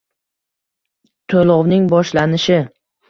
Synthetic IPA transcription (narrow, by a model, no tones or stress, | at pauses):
t̪ʰolɒwnɪŋbɒʃlanɪʃɪ